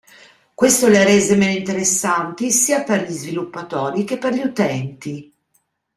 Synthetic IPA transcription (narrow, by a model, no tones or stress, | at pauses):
kwest̪olaɾeːzemenoint̪eɾesːant̪isiːaperʎizvilupːat̪ɔːɾik̟epːerʎiut̪ɛnt̪i